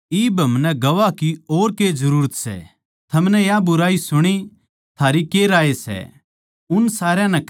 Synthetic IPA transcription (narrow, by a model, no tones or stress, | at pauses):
iːbɐmnɛɡɐʋakioːɾkezɐɾuːɾət̪sɛ̰ | t̪ʰɐmnɛjabʊɾaːisʊɽ̃i | t̪ʰaːɾikeɾaːesɛ̰ | ʊnsaːɾjãnɛk